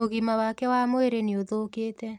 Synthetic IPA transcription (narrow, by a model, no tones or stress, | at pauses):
oɣimawakɛwamoeɾeneoðoːkeːtɛ